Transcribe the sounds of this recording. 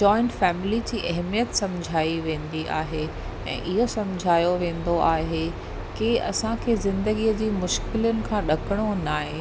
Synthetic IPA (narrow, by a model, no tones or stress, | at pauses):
d͡ʑɔːɪ̃ɳʈfɛːmɪlid͡ʑiːʔɐɦmijət̪sɐ̃mʊd͡ʑʱaːiʋẽːn̆d̪iʔa̰ːɦe | ɛ̰̃ːʔɪɦosɐ̃mʊd͡ʑʱaːjoʋẽːn̆d̪oʔaːɦe | keɐ̰sãkʰeːzɪ̃nd̪əɡiəd͡ʑiːmʊʃkɪlʊnɪ̆kʰãːɗɐkəɽ̃onaːɦe